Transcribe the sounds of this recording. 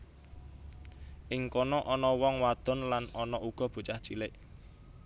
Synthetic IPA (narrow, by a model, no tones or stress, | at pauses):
ʔɪŋkɔnɔʔɔnɔwɔŋwad̪̥ɔ̤nlanɔnɔuɡ̥ɔ̤b̥ṳt͡ʃaht͡ʃilɪʔ